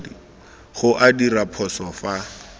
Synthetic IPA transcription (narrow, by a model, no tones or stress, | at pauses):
di | χʊʔadirapʰɔsɔfa